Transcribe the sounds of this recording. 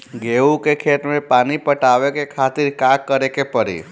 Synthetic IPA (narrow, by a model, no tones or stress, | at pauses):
ɡeũkekʰet̪mepanipəʈaʋekekʰat̪iɾkãkːəɾekepəɾḭ